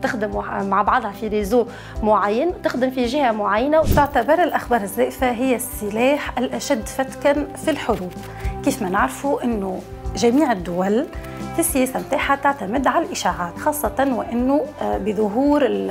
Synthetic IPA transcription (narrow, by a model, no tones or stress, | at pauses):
t̪ɪxd̪ɪmmaʕbɑʕðˤhɑfiɾiːzoː | mʊʕajːanwt̪ɪxd̪ɪmfiʒɪhamʊʕajːanawt̪ɪʕt̪abɑɾˤɪlʔaxbɑːɾˤɪzːæːʔfaɦɪjːæsːɪlæːħʔɪlʔæʃæd̪ːfæt̪kanfilħʊɾuːb | kiːfmænɪʕɾfuʔɪnːʊ | ʒæmiːʕɪd̪ːʊwæl | fisːɪjæːsamt̪aːħat̪aʕt̪amɪd̪ʕalalʔɪʃaːʕaːt̪xɑːsˤːɑt̪ˤɑnwɪʔanːʊbɪðˤʊɦuːɾɪ